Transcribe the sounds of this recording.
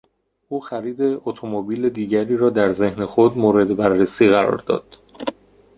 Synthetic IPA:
ʔuːxæɾiːd̪e̞ʔot̪ʰomobiːle̞d̪iːɟæɾiːɾɒːd̪æɾze̞hnexod̪moːɾe̞d̪ebærːesiːɣæɾɒ̰ːɾd̪ɒ̰ːd̪̥

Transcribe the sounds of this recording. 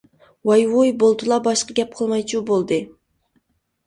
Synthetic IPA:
wɑjwojbolˠd̪ɨlˠɑbɑʃqɑɡʲɛp̚qʰəlˠmɑjt͡ʃʰubolˠd̪ɨ

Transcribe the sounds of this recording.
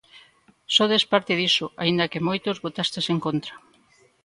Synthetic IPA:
soðespaɾt̪ɪðisoaind̪ɐkemojt̪ozβot̪ast̪eseŋkont̪ɾa

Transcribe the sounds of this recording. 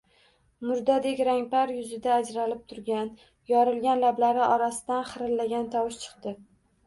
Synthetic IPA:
mʊɾd̪ad̪ekʲɾaŋʲpaɾjʊzɪd̪aːd͡ʒɾalɪp̚t̪ʰʊɾɡʲan | jɒɾɪlɡʲanlablaɾɪʔɒɾasɪd̪anχɨɾɪlːaɡʲant̪ʰɒwɪʃt͡ʃʰɨ̥qt̪ɪ

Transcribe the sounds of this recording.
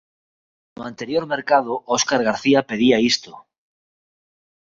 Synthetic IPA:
noãnt̪eɾjoɾmeɾkað̞oʔoskaɾɣ̞aɾθiape̞ðiaist̪o

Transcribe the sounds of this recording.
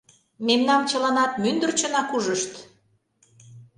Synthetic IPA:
memnɑmt͡ɕə̆lɑnɑt̪mynd̪ə̆rt͡ɕə̆nɑkuʒəʃt̪

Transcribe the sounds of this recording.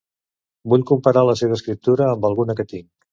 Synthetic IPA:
buʎkumpəɾaləseβ̞əskɾip̚t̪uɾəːmbəlˠɣunəkət̪iŋ

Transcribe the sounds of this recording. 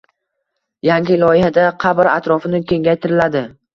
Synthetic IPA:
jaŋɡʲɪlˠɒjɪhad̪aqʰɑbɾat̪ɾɒfɪnɪkʲe̞ŋɡʲajt̪ʰɪɾɪlad̪ɪ

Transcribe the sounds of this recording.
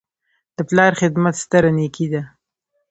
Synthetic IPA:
d̪̥əplɑɾxɪd̪mat̪st̪əɾanekid̪a

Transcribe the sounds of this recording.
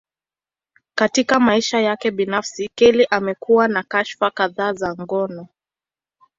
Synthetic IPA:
katikamaiʃajakɛɓinafsikɛliʔamɛkuwanakaʃfakaðaːzaŋɡɔnɔ

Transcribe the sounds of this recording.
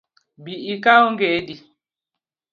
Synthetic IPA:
biikauŋɡɛdi

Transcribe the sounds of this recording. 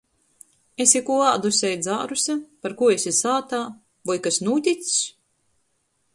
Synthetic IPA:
esʲikuɔaːd̪usʲɛjd̪zaːɾusʲapaɾkuɔesʲisaːt̪aː | vɔjkasnuːt̪ʲit̪s

